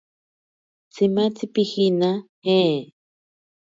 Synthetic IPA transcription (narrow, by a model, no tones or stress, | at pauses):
t͡simat͡sipixinahe